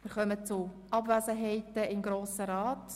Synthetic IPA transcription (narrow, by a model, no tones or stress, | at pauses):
ʋɪːɾχœmət͡sʊ | ʔɑbvæzəɦɛɪtəɪmɡɾoːsəɾaːt